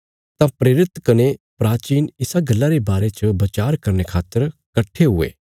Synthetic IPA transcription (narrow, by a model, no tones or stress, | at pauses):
t̪ãpɾeːɾɪt̪kɐnepɾaːt͡ʃiːnɪsaɡɐlːaɾebaːɾet͡ʃəbɐt͡ʃaːɾkɐɾnekʰaːt̪ːəɾkɐʈʰːeɦʊḛː